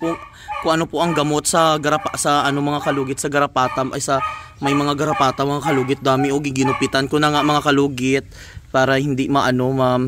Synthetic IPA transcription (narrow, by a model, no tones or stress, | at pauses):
kʊŋ | kʊŋʔɐno̞poʔɐŋɡɐmo̞t̪̚sɐɡɐɾɐpasɐʔɐnomɐŋakɐluːɡɪt̪sɐɡɐɾɐpaːt̪ɐmʔɐ̰jsɐmɐjmɐŋaɡɐɾɐpaːt̪ɐŋmɐŋakɐluːɡɪt̪̚d̪aːmɪʔoɡɪɡɪnʊpɪt̪ankonɐŋaʔmɐŋakɐluːɡɪt̪̚ | paːɾɐhɪnd̪imɐʔɐno̞mam